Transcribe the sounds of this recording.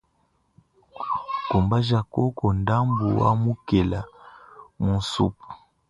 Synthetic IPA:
ko˨mba˦ʒa˨ko˦kɔ˨nda˦mbu˨wa̰˦mu˦ke˨la˨ | mu˨n˨su˦pu̥˨

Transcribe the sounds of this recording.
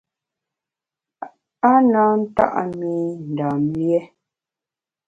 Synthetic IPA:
a˦na˨˦n̩˦ta̰˦ʔa̰˦˨mi˦n̩˨da˨mjɛ˦

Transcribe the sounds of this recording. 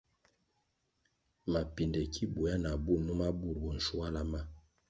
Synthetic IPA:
ma˨pi˨ndɛ˨kʰi˦bu˨a˦na˨bu˦˨nu˦ma˦bu˦˨ɾbu˨n̩˨ʃu˦a˦la˦ma˦

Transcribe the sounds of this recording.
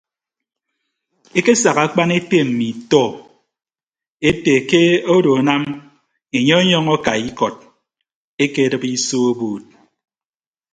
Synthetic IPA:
e˦ke˦sa˨ɣa˨˦k͡pa˦ne˦te˦m̩˨mi˨tɔ˦˨ | e˦te˨ke˦o˦do˨a˨na˦m | e˨ɲɔ˦e˦ɲɔ˦ŋɔ˦ka˨i˦kɔ˨t̚ | e˦ke˦˨dɨ˦pi˦so˦o˦boː˦˨t̚

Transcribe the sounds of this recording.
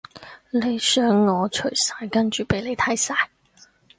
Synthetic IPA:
le˨˧jsœː˥ŋːɔː˨˧t͡ʃʰɵ˨˩ɥsaː˨˧jkɐ˥nt͡ʃyː˨˩pe˨˥jle˨˧jt̪ʰɐ˨˥jsaː˧j

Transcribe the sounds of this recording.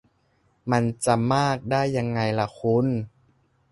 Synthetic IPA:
ma˧nt͡ɕa˧maː˥˩k̚daː˥˩jːa˧ŋːa˧jla˧kʰu˧˥˨n

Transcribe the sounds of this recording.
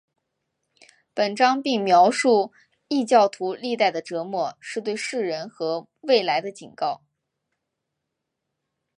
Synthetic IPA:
pə˨˩nʈ͡ʂɑ˥ŋpi˥˩ŋmjɑ˧˥ʊʂu˥˩ | i˥˧t͡ɕjɑ˥˩ʊt̪ʰu˧˥li˥˧t̪a˥˩ɪd̪ə˩ʈ͡ʂɤ˧˥mwɔ˥˩ʂɻ̩˥˧t̪we˥˧ɪʂɻ̩˥˩ɻə˧˥nxɤ˧˥ | we˥˩ɪla˧˥ɪd̪ə˧t͡ɕi˨˩nkɑ˥˩ʊ

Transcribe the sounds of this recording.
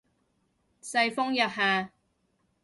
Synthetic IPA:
sɐ˧jfɔ˥ŋjɐ˨p̚haː˨

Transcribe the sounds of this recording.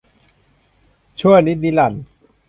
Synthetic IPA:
t͡ɕʰu˥˩əŋni˦˥t̪̚niː˦˥la˨˩n

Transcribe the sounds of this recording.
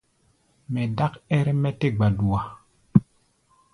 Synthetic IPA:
mɛ˨da˦kɛ˦ɾe˦mɛ˦te˦ɡ͡ba˨du˨wa˨

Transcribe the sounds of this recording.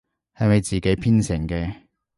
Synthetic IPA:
hɐ˨jmɐ˨˧jt͡siː˨ke˨˥jpʰiː˥nsɪ˨˩ŋkɛː˧

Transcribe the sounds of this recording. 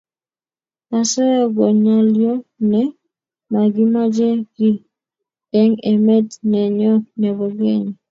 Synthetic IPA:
a˨sɔ˦jɔ˦ɡɔ˨ɲa˨ljɔ˦nɛ˨ | ma˨ɡi˦ma˦d͡ʒe˦ɡi˦ | ɛ˦ŋe˨mɛ˦dnɛ˨ɲɔ˦nɛ˨βɔ˨ɡe˦ɲi˨

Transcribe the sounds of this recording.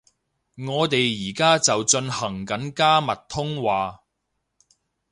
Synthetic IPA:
ŋɔː˨˧t̪e˨jːiː˨˩kaː˥t͡sɐ˨wt͡ʃɵ˧nhɐ˨˩ŋkɐ˨˥nkaː˥mɐ˨t̚t̪ʰʊ˥ŋwaː˨

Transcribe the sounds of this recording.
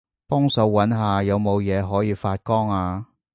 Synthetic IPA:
pɔː˥ŋsɐ˨˧wːɐ˨˥nɦaː˨jɐ˨˧wmo˨˧wjɛː˨˧ɦɔː˨˥jiː˨˧faː˧t̚kɔː˥ŋaː˧

